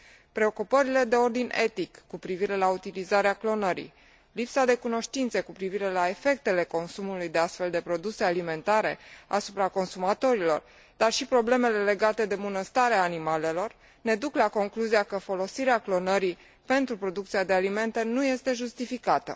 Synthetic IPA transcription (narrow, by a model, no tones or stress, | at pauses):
pɾe̞o̞kupəɾile̞d̪e̞o̞rd̪inʲe̞t̪ikːupɾiviɾe̞laut̪ilizaɾeaklo̞nəɾḭ | lipsad̪e̞kuno̞ʃt̪int̪sekupɾiviɾe̞lae̞fe̞k̚t̪e̞le̞ko̞nsumulujd̪e̞ast̪fe̞ld̪e̞pɾo̞d̪usealime̞nt̪aɾe̞̰a̰supɾako̞nsumat̪o̞ɾilo̞̰r | d̪̥arʃipɾo̞ble̞me̞le̞le̞ɡat̪e̞d̪e̞bunəst̪aɾeaːnimale̞lo̞r | ne̞d̪uklako̞ŋkluziakəfo̞lo̞siɾeaklo̞nəɾi | pe̞nt̪ɾupɾo̞d̪uk̚t̪siad̪e̞alime̞nt̪e̞nuje̞st̪e̞ʒust̪ifikat̪ə̰